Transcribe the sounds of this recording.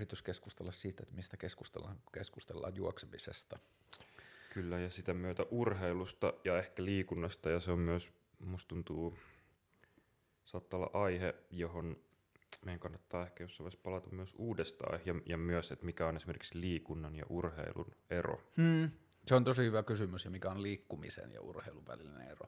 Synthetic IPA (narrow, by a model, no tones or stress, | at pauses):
rit̪yskeskust̪elːɑssiːt̪ːet̪mist̪ækeskust̪ḛlːɑ̰ŋkeskust̪elːɑ̰ːjjuoksemisḛst̪ɑ | kylːæjɑsit̪æmyøt̪æʔurheilust̪ɑjɑehkæliːkunːɑst̪ɑjɑseommyøs | must̪unt̪uː | sɑːt̪ːɑolːɑ̰ʔɑihejohon | meijæŋkɑnːɑt̪ːɑːehkæjosːɑʋˑispɑlɑt̪ɑmmyøsuːdest̪ɑ̰ihjɑjɑmyøset̪mikæonesimerki̥ksliːkunːɑnjɑ̰ʔurhḛilṵnero̰ː | seont̪osihyʋækysymysjɑmikæonliːkːumḭsḛnjɑ̰ṵrheiluʋæ̰liinḛero̰